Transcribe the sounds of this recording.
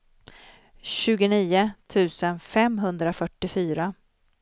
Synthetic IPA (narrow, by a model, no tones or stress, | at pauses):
ɕʉ̟ːɡʊniːʊt̪ʰʉ̟ːsənfɛmɦɵnd̪ɾafœʈːɪfyːɾa